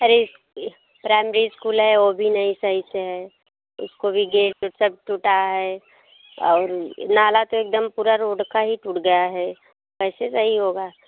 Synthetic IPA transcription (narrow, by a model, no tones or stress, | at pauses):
ɐɾes | pɾaːɪmeɾiskuːlɦɛʋobʱinɐɦĩsɐɦiseɦɛː | ʊ̰skobʱiɡeːsɐb̚ʈuʈaɦɛ | ɔːɾnaːlat̪oeːk̚d̪əmpuːɾaɾoːɖkaɦiʈuʈɡɐjaɦɛː | ʋɛːsesɐɦiɦoːɡaː